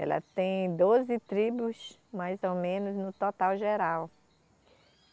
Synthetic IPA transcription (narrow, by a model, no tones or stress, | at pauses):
ɛ̰lɐ̰t̪ẽj̃d̪ozɪt̪ɾibʊsmajzowmẽnʊznʊt̪ɔt̪awʒeɾaw